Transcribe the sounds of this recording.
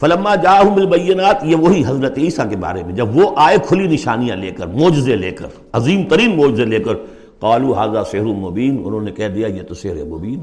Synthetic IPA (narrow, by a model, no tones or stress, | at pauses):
fɐlɐmːaːd͡ʒaːɦʊmɪlbɐjːɪnaːt̪jeʋoɦiɦɐzɾət̪iːsakeba̰ːɾemẽd͡ʒɐbʋoʔaːekʰʊlinɪʃaːnijãleːkəɾmoːd͡ʒɪzeleːkə̰ɾ | ɐziːmt̪ɐɾiːnmoːd͡ʒɪzeleːkəɾ | qaːluːɦaːzaːsɪɦɾumobiːnʊ̰nɦõːnekɛɦd̪ijajet̪osɪɦɾemobiːn